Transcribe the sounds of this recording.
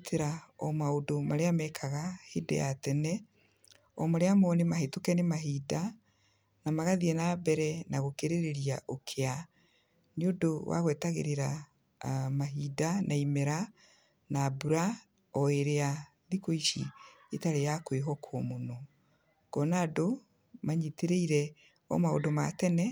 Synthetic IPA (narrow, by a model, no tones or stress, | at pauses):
tʰeɾaɔmaodomaɾeamɛkʰaɣahedɛ̰jatɛnɛ | ɔmaɾeamɔnemaɦetokɛnemaɦida | namaɣaðiɛnaːbɛɾɛnaɣokeɾeɾeɾiaʔokʰea | neodowa̰ɣwɛtaɣḛɾeɾa | maɦidanʔaimeɾa | naːbuɾa | ɔeɾea | ðikoiʃḭ | etaɾejakweɦɔkʰɔmonɔ | ɡ̥ɔnaːdo | maɲiteɾeiɾɛ | ɔ̰mao̰doma̰tɛnɛ